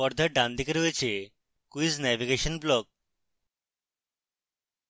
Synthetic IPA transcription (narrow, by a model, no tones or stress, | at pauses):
ɔɾd̪ʱəɖãnd̪ikəɾʋet͡ɕʰe | kuiznɛʋiɡeɕənblɔk̚